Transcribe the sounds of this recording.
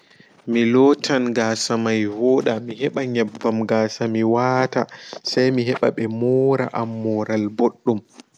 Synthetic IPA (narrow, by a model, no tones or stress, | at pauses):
milɔːtʰanɡaːsamajwɔːɗamiɦɛɓaɲɛbːamɡaːsamiwaːtasajmiɦɛɓa̰ɓɛmɔːɾa̰ʔamːɔɾalboɗːum